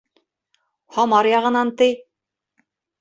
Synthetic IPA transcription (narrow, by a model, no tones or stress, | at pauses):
hɒmɑɾjɑʁɤ̆nɑnt̪ɤj